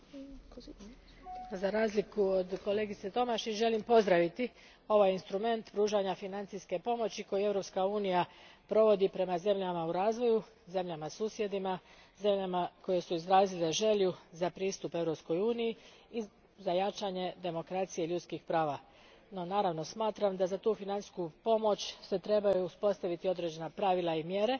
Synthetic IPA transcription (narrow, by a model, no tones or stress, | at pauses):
zaɾaːzlikuod̪ko̞le̞ːɡit̪se̞t̪o̞maʃiʒe̞limpo̞zd̪ɾaʋit̪i | o̞ʋajinst̪ɾume̞nt̪pɾuːʒaɲafinant̪sijske̞po̞mo̞t͡ɕiko̞jue̞ʋɾo̞pskauːnijapɾo̞ʋo̞d̪ipɾe̞maze̞mʎamauɾaːzʋo̞ju | ze̞mʎamasuːsje̞d̪imaze̞mʎamako̞je̞suizɾaːzile̞ʒe̞ʎuzapɾiːst̪upe̞ʋɾo̞psko̞juːniji | i | zajat͡ʃaɲe̞d̪e̞mo̞kɾat̪sijeʎut̪skixpɾaːʋa | no̞naːɾaʋno̞smaːt̪ɾamd̪azat̪uːfinani̥skupo̞mo̞t͡ɕse̞t̪ɾe̞bajuuspo̞st̪aʋit̪io̞d̪ɾe̞d͡ʑe̞napɾaʋilˠaimje̞ɾe̞